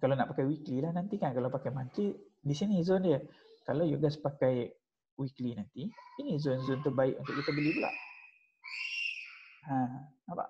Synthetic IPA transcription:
kalawnaʔpakajwiklilahnant̪ikankalawpakajmant̪ɾiʔ̚ | disinizondjə | kalawjuɡaspakaj | wiklinant̪iinizʊnzʊnt̪ubaɪʔunt̪ʊʔkit̪abəlibəla̰ʔ | hãaba̰ʔ

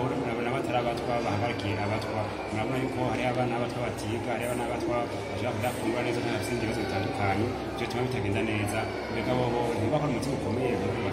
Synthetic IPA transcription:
ɾaβonaβataɾaβatwaβahaɡaɾikieʔaβatwa | muɾaβonajukohaɾiaβanaβatwaβatiɡahaɾiaβanaβatwa | βaʃakudakuːŋɡuaneːzataaβisiːndiezoβitaːndukaɲe | i̥jotumaβitaɡeːndane̞ːza | bekaβoβonioβakoɾaumutiɡuko̞mezaaβa

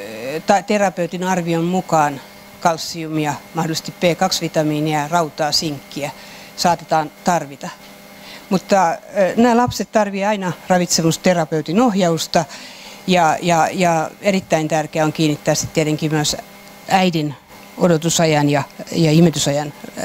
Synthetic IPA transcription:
t̪ɑt̪erɑpeut̪inɑrʋiommukɑːn | kɑlsːiumiɑmɑhdolise̥st̪ippeːkɑksʋit̪ɑmiːniærɑut̪ɑːsiŋkːiæ | sɑːt̪et̪ɑːnt̪ɑrʋit̪ɑ | mut̪ːɑnæːlɑpset̪t̪ɑrʋieɑinɑrɑʋit̪semust̪erɑpeut̪inohjɑust̪ɑ | jɑjɑjɑerit̪ːæint̪ærkeæoŋkiːnit̪ːæːsi̥t̪t̪iet̪eŋkimyøs | æidin | odot̪usɑjɑnjɑjɑimet̪ysɑjɑn

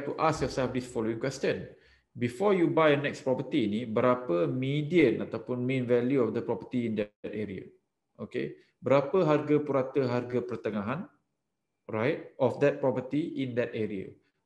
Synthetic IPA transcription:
tuʔaskjɔsɛlfd̪isfɔloĩŋkwɛstə̃n | bifɔjubajənɛkspɾɔpət̪iːnibəɾapəmidiə̃nat̪awpʊnmẽnvɛljuɔfd̪əpɾɔpət̪iːnd̪ɛtɛɾia̰ | ʔokḛ | bəɾapəɦarɡapuɾat̪əɦarɡapərt̪əŋaɦãn | rajt̚ʔɔfd̪ɛt̚pɾɔpət̪iʔĩnd̪ɛt̚ɛɾiə̰

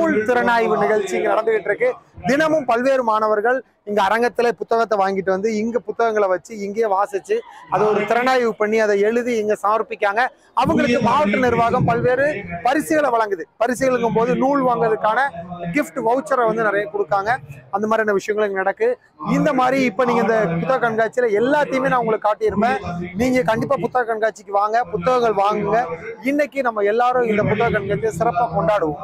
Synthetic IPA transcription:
nuːɭt̪ɪɾɐnaːjʋɯnɪɣɐɭt͡ʃiɪŋɡɐnɐɽɐnd̪ɯɣɪʈːɪɾɯkːɯd̪ɪnɐmɯmpɐlʋeːɾɯmaːnɐʋɐɾɣɐɭ | ɪŋɡɐːɾɐŋɡɐt̪ːɪlepʊt̪ːɐɣɐt̪ːɐʋaːŋɡɪʈ̬ːɯʋɐnd̪ɯɪŋɡɐpʊt̪ːɐɣɐŋɡɐɭɛʋɐt͡ʃːɯɪŋɡeːʋaːsɐt͡ʃːɯɐðɯɔɾɯt̪ɪɾɐɳaːjʋɯpɐɳːiɐðɐɛɻɯðiɛŋɡɐsaːmɐɾpːɪkʲːaːŋɡɐ | ɐʋɯŋɡɐɭɯkːɯmaːʋɐʈːɯnɪɾʋaːɣɐmpɐlʋeːɾɯpɐɾɪsɪɣɐɭʋɐɭɐŋɡɯðɯpɐɾɪsɪɣɐɭɯŋɡɯmpoːðɯnuːɭʋaːŋɡɾɐðɯkːaːnɐɡɪfʈʋɐʊt͡ʃːɐɾɐʋɐnd̪ɯnɪɾɐjɐkɔɽɯkːaːŋɡɐɐnd̪ɐmaːd̪ɾɪɐnɐʋɪʂɐjɐŋɡɐɭɯŋɡɐnɐɽɐkːɯ | ɪnd̪ɐmaːd̪ɾiɪpːoːniːŋɡɐɪnd̪ɐpʊt̪ːɐɣɐkːɐɳɡaːt͡ʃːɪlɐɛlːaːt̪ːɐjɯmeːnaːɐʊŋɡɐɭɯkːɯkaːʈːɯjɛnɯpːẽːniːŋɡɐkɐɳɖɪpːaːpʊt̪ːɐɣɐkɐɳɡaːt͡ʃːɪkːɯʋaːŋɡɐpʊt̪ːɐɣɐŋɡɐɭʋaːŋɡɯŋɡɐɪnːɐkːɯnɐmːɐɛlːaːɾʊ̃ɪnd̪ɐpʊt̪ːɐɣɐkːɐɳɡaːt͡ʃːɪsɪɾɐpːaːkɔɳɖaːɽɯʋɯ̃m

